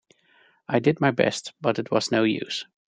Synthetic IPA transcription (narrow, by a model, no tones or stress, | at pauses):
aɪdɨd̚maɪbɛ̰stb̥ʌɾɨt̚wʌz̥noʊjʉ̰s